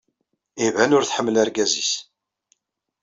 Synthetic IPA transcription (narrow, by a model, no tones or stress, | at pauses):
ivænʊɾθħəmːlæɾɡæzḭs